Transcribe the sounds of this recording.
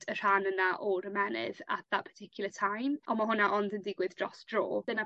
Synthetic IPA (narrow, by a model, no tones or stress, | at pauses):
dər̥anənaʔɔɾəmɛnɪ̰ða̰t̚ðatpʰə̥tʰɪkʰjʊlˠətʰajmɔmaɦʊnaʔɔndəndɪɡwɪðdrɔsd̥ro̰ːd̥əna